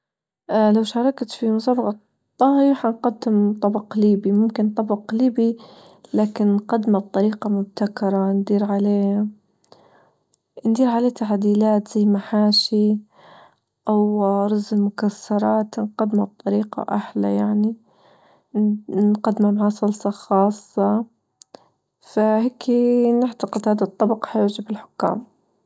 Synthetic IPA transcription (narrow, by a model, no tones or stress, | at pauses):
ʔlawʃɑːɾˤɑkt̪fimʊs̬aːbɑqɑ | t̪ˤːɑhiħanqɑd̪ːɪmt̪ˤɑbɑqliːbimʊmkɪnt̪ˤɑbqliːbi | laːkɪnnqɑd̪mab̚t̪ˤɑɾiːqɑmʊb̚t̪akɑɾˤɑnd̪iːɾʕaleː | nd̪iːɾʕaleːt̪aʕd̪iːlaːt̪z̥ajːmaħaːʃi | ʔawɾˤɑzmʊkasːɑɾˤɑːt̪nqɑd̪mab̚t̪ˤːɑɾiːqɑ̰ʔaħla̰jaʕni | nqad̪ːmamaʕaːsˤʊlsˤɑxɑːsˤːɑ | faheːkʰinɪʕt̪ɑqɪd̪haːd̪at̪ˤːɑbɑqħajʊʕd͡ʒɪbɪlħʊ̥kːa̰ːm